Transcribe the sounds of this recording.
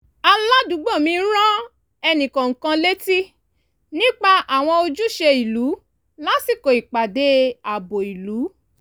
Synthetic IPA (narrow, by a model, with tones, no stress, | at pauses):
a˧la˦du˨˦ɡ͡bo˦˨mĩ˧˦ɾ̃ã˦ | ɛ˧nĩ˨kɔ̃˨ŋ̩˨kã˧le˦ti˦ | nĩ˦k͡pa˧ʔa˨w̃ɔ̃˧o˧d͡ʒu˦ʃe˧i˨lu˨˦ | la˦si˦˨ko˨i˨k͡pa˨de˨˦a˨bo˨i˨lu˨˦